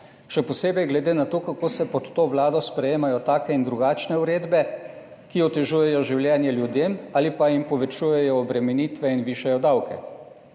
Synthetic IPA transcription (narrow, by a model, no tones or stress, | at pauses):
ʃɛpɔseːbɛjɡlɛd̪eːnat̪oːkakoːsɛpɔt̪ːoːʋlaːd̪ɔspɾɛjeːmajɔt̪aːkɛind̪ɾuɡaːt͡ʃnɛuɾeːd̪bɛ | kiɔt̪ɛʒuːjɛjɔʒiwljɛːnjɛljud̪eːmaːlipaimpɔʋɛt͡ʃujɛjɔːbɾɛmɛniːt̪ʋɛinʋiːʃɛjɔd̪awkɛ̰